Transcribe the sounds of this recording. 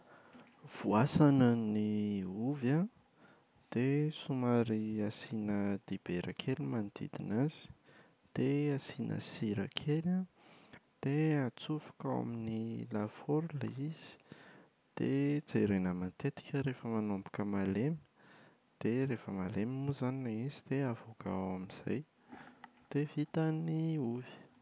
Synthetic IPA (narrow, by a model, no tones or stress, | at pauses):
v̥uasanəniuva | d̪̥esumaɾiasinəd̪̥ib̥eɾakʰelimand̪ḭd̪inaz̥i̥ | d̪̥easinə̰siɾa̰kʰela | d̪̥eat͡sufḁkawa̰minilafoɾlaiz̥i̥ | d̪̥ḛt͡seɾenəmant̪et̪i̥kʲəɾefəmanombu̥kəmalemi̥ | d̪̥erefəmalemimuzanilaizid̪̥eavoka̰wamiz̥a̰j | d̪̥evit̪aniuvi̥